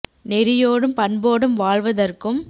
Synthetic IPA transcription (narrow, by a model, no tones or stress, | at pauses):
nɛɾɪjoːɽɯmpɐɳboːɽɯmʋaːɭʋɐðɐrkɯm